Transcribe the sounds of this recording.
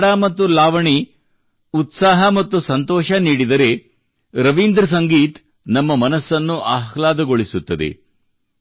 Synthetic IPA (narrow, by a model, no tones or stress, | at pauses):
ɽamɐt̪ːulaːʋɐɳi | ut̪saːɦɐmɐt̪ːusɐnt̪ɔːʃɐniːɽid̪ɐɾe̞ | ɾɐʋind̪ɾɐs̬ɐŋɡiːt̪ | nɐmːɐmɐnɐsːɐnːuʔaːɦlaːd̪ɐɡoɭisut̪ːɐd̪ḛ